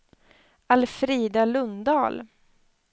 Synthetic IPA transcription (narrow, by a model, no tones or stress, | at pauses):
alfɾiːd̪alɵnd̪ɑːl